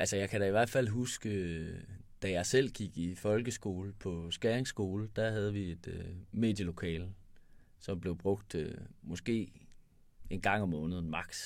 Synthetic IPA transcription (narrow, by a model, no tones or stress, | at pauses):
ʔælsəjɑ̈ɪkʰæɾæiʋæɐ̰d̥fæl̰ɦusɡ̥ə | d̥æjɑ̈ɪsel̰ɡ̥iɡ̥ifɒ̽lɡ̥əsɡ̥o̝̰ːləpʰɒ̽sɡ̥æɐeŋsɡ̥o̝ːləd̥æɦæð̞ˠəʋie̝d̥øme̝̰ːd̥jəlo̝kʰɛ̰ːl | sɒ̽mb̥le̝ʊb̥ʁɔ̽ɡ̥̚d̥ømɒ̽sɡ̥e̝̰ː | e̝nɡ̥ɑ̈ŋ̰ɒ̽mːɔ̽ːnð̞̩ˠmɑ̈ɡ̥s